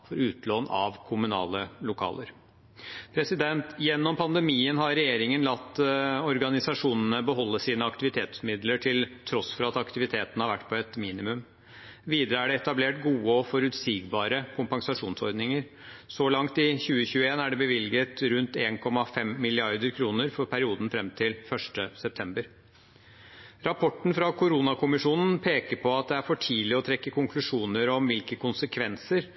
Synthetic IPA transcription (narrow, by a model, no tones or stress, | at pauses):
fɔɾʉːt̪loːnɑ̰ʋkʰʊmʉnɑ̰ːləlʊkʰɑ̰ːləɾ | pʰɾɛsɪd̪ɛnt̪jɛnːɔmpʰɑnd̪ɛmiːənɦɑɾɾɛjeːɾɪŋənlɑt̪ːɔɾɡɑnɪsɑʂuːnənəbəɦɔlːəsiːnəɑkt̪ɪʋɪt̪ʰeːt̪smɪd̪ləʈʰɪlt̪ʰɾɔsfɔɾɑt̪ɑkt̪ɪʋɪt̪ʰeːt̪ənəhɑɾʋæʈːpʰɔɛt̪miːnɪmʉm | ʋiːd̪əɾəæɖɛɛt̪ɑbleːʈɡuːəɔfɔɾʉt̪siːɡbɑːɾəkʰʊmpɑŋsɑʂuːnsɔ̰ɾd̪nɪŋəɾ | sɔlɑŋt̪ɪçʉːəçʉːəeːnæɖɛbəʋɪlɡət̪ɾʉnt̪eːnkʰɔmɑfɛmːɪlɪɑɾd̪əɾkʰɾuːnəɾfɔɾpʰæɾɪuːd̪n̩fɾɛmt̪ʰɪlfœʂʈəsɛpt̪ʰɛmbəɾ | ɾɑpʰɔʈːn̩fɾɑkʰʊɾuːnɑkʊmɪʂuːnən̩pʰeːkəɾpʰɔɑt̪̚d̪ɛæɾfɔʈʰiːlɪɔt̪ʰɾɛkːəkʰʊŋklʉʂuːnəɾɔmʋɪlkəkʊnsəkʰʋɛnsəɾ